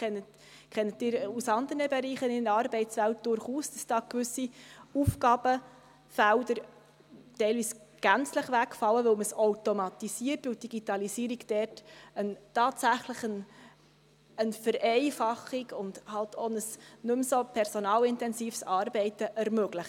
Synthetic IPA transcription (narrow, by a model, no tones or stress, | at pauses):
ɛnət | kʰɛnːət̚ːɪːɾusɑnd̪əɾəbɛɾiːχənɪnɑɾbɛɪtsʋælt̚d̥ʊɾχuːsd̥ɑsd̥ɑːkʋʏsiufɡɑːb̥ə | fæld̪əɾ | tɛɪlʋiːsɡ̥ænt͡sləχʋækfɑlːəʋɵlməsɔwtomɑt̪isiərtʋɪld̥iɡ̥itɑlisiːɾiɡd̥ɛːrtəntɑːtsæχləχən | ənfəɾɛɪfɑχikʊndhɑltʰonəsnʉmsopʰɛɾsɔnɑːlɪntɛnsiːfsɑːɾbɛɪtəʔɛɾmœɡləχ